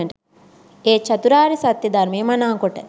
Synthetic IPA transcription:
ɳʈ | eːt͡ʃɐt̪uɾaːɾisɐt̪jɐd̪ɐɾmijɐmɐnaːŋkoʈːɐ̰

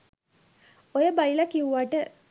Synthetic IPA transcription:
ojəbajilakiʋuʋaʈə

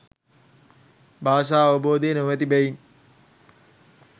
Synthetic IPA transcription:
bʱaːʃ̬aːʋəboːd̪eːnoʋɛt̪̬ibɛin

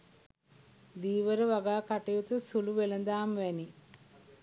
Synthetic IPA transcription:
d̪iːʋɐɾɨʋɐɡaːkɐʈːejut̪ɨsuluʋelɐnd̪aːmʋɐni

